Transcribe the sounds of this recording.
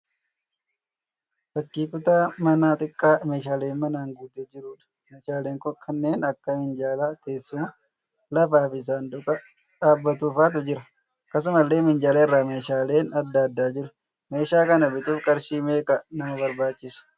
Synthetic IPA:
fɐkːiːkʊt̪aːmɐnaːt̪ʼɪkʼːaːmeːʃaːleːnmɐnaːŋɡuːd̪eːd͡ʒɪɾuːᶑɐ̥ | meːʃaːleːŋkɔkʰɐnːe̞ːnɐkːɐmɪnd͡ʒaːlaːt̪e̞ːsːʊmɐ | lɐfaːfɪs̬aːnd̪ʊkʼɐ | ᶑaːbːɐt̪uːfaːt̪̬ʊd͡ʒɪɾɐ | kɐs̬ʊmɐlːe̞ːmɪnd͡ʒaːlɐɪrːaːme̞ːʃaːle̞ːnɐd̪ːaːɐd̪ːaːd͡ʒɪɾʊ | me̞ːʃaːkɐnɐbɪt̪uːfkʼɐɾʃiːmeːkʼɐnɐmɐβɐɾbaːt͡ʃːɪsʊ̥

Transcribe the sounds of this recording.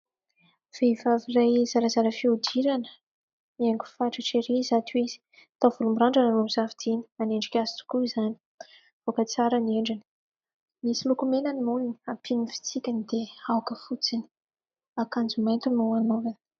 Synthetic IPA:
v̥eivavirajzaɾazaɾəfiud̪iɾanə̥ | miaŋɡʲu̥faʈ͡ʂəʈ͡ʂeɾizat̪uiz̥i̥ | t̪av̥ulumbiɾaɳɖ͡ʐanaɾomizavid̪̥ini̥aneɳɖ͡ʐikʲazi̥t̪u̥kuizani̥ | v̥okət͡saɾanieɳɖ͡ʐini̥ | misilukumenanimulini̥apʰinifi̥t͡sikʲanid̪̥eawkəfut͡sini̥ | akand͡zumajnt̪unuanovan

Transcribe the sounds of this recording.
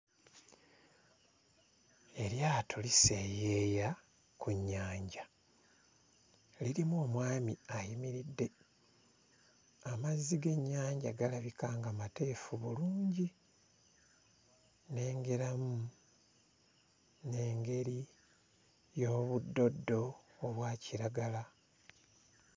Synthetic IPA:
e̞ɾjaːtʰolise̞jeːja | kuɲːaːɲɟa | liɾimuomwaːmiajimiɾidːe̞ | amazːiɡe̞ɲːaːɲɟaɡalaβikaːŋɡamate̞ːfuβuluːɲɟi | ne̞ːŋɡe̞ɾamu | ne̞ːŋɡe̞ɾi | jo̞ːβudːo̞dːo̞ːβwaːciɾaɡala

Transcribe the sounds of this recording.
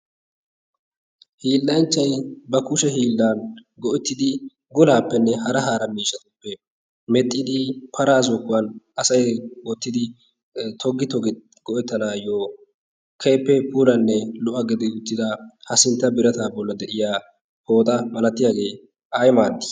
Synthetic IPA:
hiːlːɐnt͡ʃːɐjbɐkʊʃɛɦiːlːaːnɡɔʔɛt̪ːɪd̪ɪ | ɡʊlaːpːɛnːɛhɐɾɐɦaːɾɐmiːʃɐt̪ʊpːɛ | mɛt̪ʼːɪd̪ɪpʰɐɾaːzɔkːʊwɐnʔɐsɐjwɔt̪ːɪd̪ɪ | t̪ʰɔɡːɪt̪ɔɡ | ɡ̥ɔʔɛt̪ːɐnaːjoː | kʰeːpːɛpuːlɐnːɛlʊʔɐɡɪd̪ɪʊt̪ːɪd̪ɐhɐsɪnt̪ːɐbɪɾɐt̪aːbɔlːɐd̪ɛʔɪjaː | ho̞ːt̪ʼɐmɐnɐt̪ːɪjaːɡe̞ː | ʔɐjmaːɾd̪ɪ̥

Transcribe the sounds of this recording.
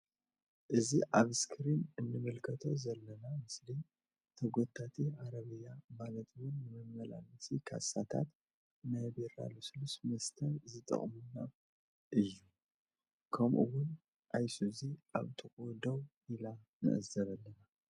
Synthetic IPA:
ʔɨziʔaβskʰɨɾinɨnːɨmɨlkʰɐt̪ʰo̞zɐlːɐnamɨsli | t̪ʰɐɡo̞t̪ʰːat̪ʰiaɾɐβɨjːamalɐt̪wʊnːɨmɨmːɐla̰lɐsikʰa̰sat̪ʰa̰t̪ | nɐbeɾa̰lusɨlusmɐst̪ʰɐɾzɨt̪ʼɐ̰χʼmunːa | ʔɨjːu | kʰɐmʔṵwʊn | ʔajsuziʔa̰βt̪ʰɨkʼod̪ow | ila | nɨ̰ʔɨ̰zɐβɐlːɐna

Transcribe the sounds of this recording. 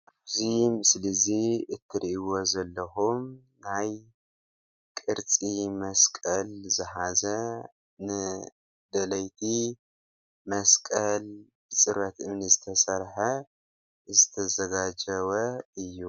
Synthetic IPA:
ʔaβzimɨslɐziɨt̪ʰːɨɾʔiwozɐlːɐxum | naj | kʼɨɾt͡sʼimɐskʼɐlzɨħazɐ | nɨ | d̪ɐlɐjt̪ʰi | mɐskʼɐl | bɨt͡sʼɨɾɐt̪ɨmnizɨt̪ʰɐsɐɾħɐ | zɨt̪ʰɐzɐɡad͡ʒɐβɐɨjːu

